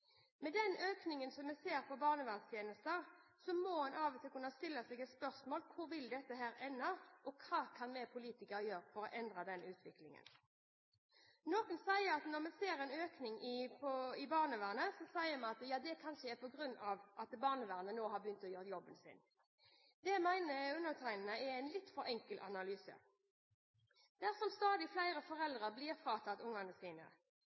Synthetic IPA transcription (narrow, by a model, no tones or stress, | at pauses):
mɛd̪ɛnøːknɪŋənsɔmːɛseːʁpʰɔbɑːʁnəʋæːʁnst̪ʰjeːnəst̪əʁsɔmoːmɑnʔɑːʋt̪ʰɪlkʉnːɑst̪ɪlːɑsɛɡɛt̪spœʁsmoːlkʰʊʁʋɪld̪ɛt̪ːəɦæːɾɛnːɑʔɔkʰɑːkʰɑnmɛpʰʊliːt̪ɪkəɾjøːʁfɔɾɔʔɛnd̪ʁɑd̪ɛnʉːt̪ʰʋɪklɪŋə̰n | noːkənsæɪəʁɑt̪nɔʁmɛseːɾɛɪnøːknɪŋɪpʰɔɪbɑːʁnəʋæːʁnəsɔsæɪəmɛnɑt̪jɑːd̪ɛkʰɑnʃəæpʰɔɡʁʉnːɑʋʔɑt̪bɑːʁnəʋæːʁnənoːɦɑbəjʏnt̪ɔjøːʁt̪jɔbənsɪ̰n | d̪ɛmæɪnəʉnːəʁt̪ʰæɪnnəɛæɪnlɪt̪fɔɾɛŋkəlʔɑ̰nɑlyːsə̰ | d̪̥æʁsɔmst̪ɑːd̪ɪflæɪɾəfɔʁɛld̪ʁɑblɪʁfɾɑːt̪ʰɑt̪ʊŋɑnəsiːnə̰